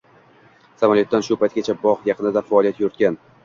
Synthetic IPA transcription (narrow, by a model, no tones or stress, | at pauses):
samaljɔt̪ːanʃʊpʰajt̪̚ʲɡʲat͡ʃʰabɒʁjɑqʰɨnɪd̪afaɒlˠijat̪joɾɪt̪kʲan